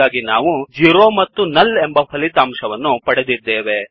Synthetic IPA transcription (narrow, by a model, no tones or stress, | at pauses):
aːɡinaːʋud͡ʒiːɾoːmɐt̪ːunɐlembɐpʰɐlit̪aːmʂɐʋɐnːupɐɽed̪id̪ːeːʋe̞